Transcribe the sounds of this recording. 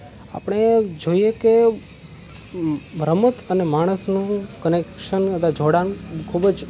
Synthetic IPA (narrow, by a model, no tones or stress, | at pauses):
a̰pəɽ̃ed͡ʒoijeke | bʱɾəmət̪ənemaɽ̃əsnũkənekʃənkəd̪ad͡ʒʱoɽankʰubd͡ʒ